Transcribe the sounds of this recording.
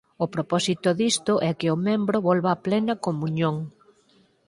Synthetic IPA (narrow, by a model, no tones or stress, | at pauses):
ʊpɾopɔsit̪ʊðist̪ʊʔɛkɪʊmẽmbɾʊβɔlβaːplɛnɐkomuɲõŋ